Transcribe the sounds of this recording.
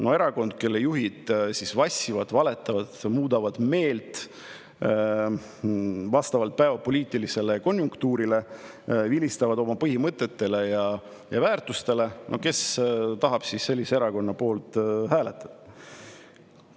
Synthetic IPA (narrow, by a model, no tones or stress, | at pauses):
no̞e̞ɾɑko̞nd̪̥̚ke̞lːejuɦid̪̥sisvɑsʲːivɑd̪̥vɑle̞t̪ːˑɑvɑd̪̥muːd̪ɑvɑd̪̥me̞ːlt̪ | vɑst̪ɑvɑlt̪̚pæevɑpoliːt̪ːˑilise̞le̞ko̞njuŋkt̪uːɾile̞ | vilist̪ɑvɑd̪o̞mɑpɤɦimɤt̪ːˑe̞t̪ːe̞le̞jɑ | jɑvæːrt̪ˑust̪e̞le̞nʔo̞̰ke̞st̪ɑɦɑb̥sisːe̞lːisee̞ɾɑko̞nːɑpo̞ːlt̪hæːle̞t̪ːˑɑ̥d̪̥ɑ